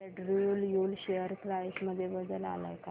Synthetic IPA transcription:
eɖɾuljolɕejəɾkɾajsməd̪ʱːjebəd̪əla̰la̰jka

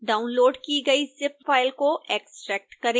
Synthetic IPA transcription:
ɖaːʊnloːɖkiɡɐisɪp̚faːɪlkoʔeːksʈɾɛːk̚ʈkɐɾẽː

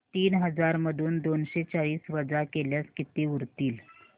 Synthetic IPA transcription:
t̪iːnɦəd͡zaɾməd̪ʱuːnd̪onɕet͡saɭiːsʋəd͡zakeljaskit̪iuɾt̪iːl

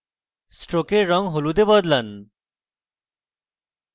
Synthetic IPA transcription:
sʈɾokeːɔŋɦolud̪ebɔd̪lan

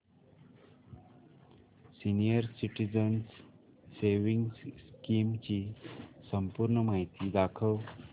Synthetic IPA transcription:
sinijəɾsiʈid͡ʑəns | seʋiŋɡsskimt͡ɕiːsəmpuɾɳəmaɦit̪iːd̪akʰəʋ

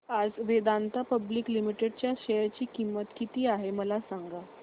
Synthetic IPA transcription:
ad͡zʋed̪ant̪apəbliklimiʈeɽt͡ɕjaɕeɾt͡ɕiːkimːət̪kit̪iːaɦeməlasaŋɡa

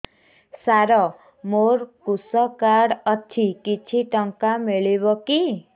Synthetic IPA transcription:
saɾɔ | moɾkusɔkaɽɔt͡ʃʰikit͡ʃʰiʈɔŋkameɭibɔki

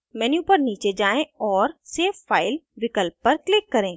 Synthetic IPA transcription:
mɛːnjupəɾniːt͡ʃed͡ʒaːẽɔːɾseːfːaːɪlʋɪkəlpːɐɾklɪkːɐɾẽː

